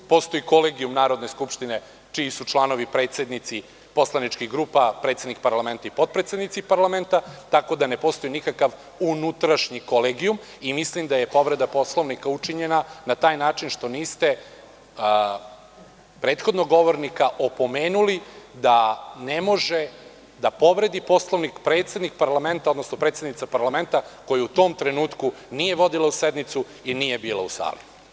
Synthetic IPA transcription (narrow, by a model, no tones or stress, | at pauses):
po̞st̪oiko̞leːɡijumnaːɾo̞d̪ne̞skupʃt̪ine̞ | t͡ʃiːsut͡ʃlˠano̞ʋipɾe̞ːt̪se̞d̪nit̪si | po̞slˠanit͡ʃkiɣɡɾuːpapɾet̪se̞d̪nik̚paɾlˠame̞nt̪aipo̞d̪̚pɾet̪se̞d̪nit̪sipaɾlˠament̪at̪ako̞d̪ane̞po̞st̪o̞jinikakaʋ | unut̪ɾaʃɲiko̞leːɡium | imislimd̪aje̞po̞ʋɾe̞d̪apo̞slˠo̞ʋnikaut͡ʂiɲe̞nanat̪aːjnaːt͡ʃinʃt̪o̞niːst̪e̞ | pɾe̞ːt̪xod̪noɡo̞ʋo̞ɾnikaʔo̞po̞me̞ːnulid̪ane̞mo̞ʒe̞ | d̪apo̞ʋɾe̞d̪ipo̞slˠoʋnikpɾe̞ːt̪sje̞d̪nik̚paɾlame̞nt̪ao̞d̪no̞snopɾet̪sed̪nit̪sapaɾlˠame̞nt̪ako̞juut̪o̞ːmt̪ɾe̞nuːt̪ku | nije̞ʋo̞d̪ilaused̪nit̪su | inije̞biːlˠausa̰ːlḭ